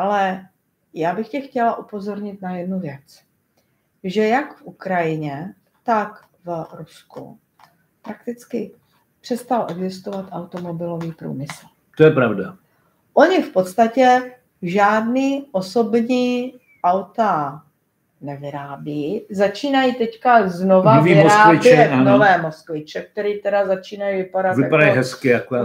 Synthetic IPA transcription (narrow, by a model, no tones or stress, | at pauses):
ʔalɛ | jaːbɪxcɛxcɛlaʔupo̞zo̞ɾɲɪt̪najɛdnuvjɛt͡s | ʒɛjakfʔukɾajɪɲɛ | t̪ak | vɾuskṵ | pɾak̚t̪ɪt͡skɪ | pr̥ɛst̪alʔɛɡzɪst̪ovat̪ʔawt̪omo̞bɪlo̞viːpɾṵːmɪsl̩ | t̪ojɛpɾavda | ʔo̞ɲɪfpo̞t̪st̪acɛ | ʒaːdniːʔo̞so̞bɲiː | ʔawt̪a | nɛvɪɾaːbiːzat͡ʃiːnajiːt̪ɛckazno̞vanoviːɪmoɾsaːvɪt͡ʃɛanovɛːmo̞skvɪt͡ʃɛk̚t̪ɛɾiːt̪ɛdazat͡ʃiːnajivɪpadat̪vɪjapaɾajɦɛskɪjakoja